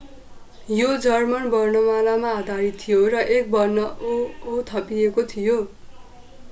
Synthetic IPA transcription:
jod͡zʌrmʌnbʌrnʌmalamaad̪ʱaɾit̪ʰːijorʌʔek̚bʌrnʌː | t̪ʰʌpiekot̪ʰijo

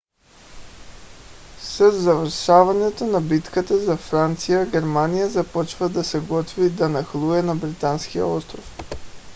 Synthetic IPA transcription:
sɛd̪zavəɾʃavaɲɛt̪onabit̪kat̪azafɾant̪sijaɡʲɛɾmanijazapɔt͡ʃvad̪asɛɡɔt̪vid̪anaxlˠuɛnabɾit̪anskija̰ɔst̪ɾof

